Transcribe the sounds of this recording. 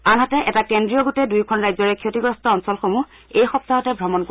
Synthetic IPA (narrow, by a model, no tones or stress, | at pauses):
anɦatɛʔɛtakendɹijɔɡotɛdujkʰɔnɹajzɔɹɛkʰiotiɡɹɔstɔɔnsɔlxomu | ejxɔp̚taɦɔtɛbʱɹɔmɔnk